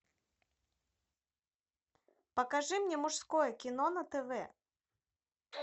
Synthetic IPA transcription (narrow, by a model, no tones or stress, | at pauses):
pɐkaʐɨmnʲɛmʊʂskɔjɛkʲinɔnɐt̪ɛvɛ